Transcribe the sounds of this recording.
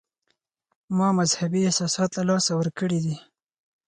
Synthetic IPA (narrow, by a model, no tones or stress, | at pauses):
mɑmazhabiɪsɑsɑt̪lalɑsawəɾkəɽid̪i